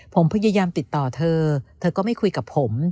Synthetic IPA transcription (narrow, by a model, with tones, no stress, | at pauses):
pʰo˩˦mpʰa˧jaː˧jaː˧mt̪i˨˩t̪ːɔː˨˩t̪ʰɤː˧t̪ʰɤː˧kɔː˥˩ma˥˩jkʰu˧jka˨˩pʰːo˩˦m